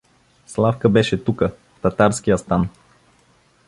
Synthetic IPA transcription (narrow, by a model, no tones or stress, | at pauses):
slˠafkəbɛʃɛt̪ukə | ft̪ɐt̪aɾsk̟ijəst̪an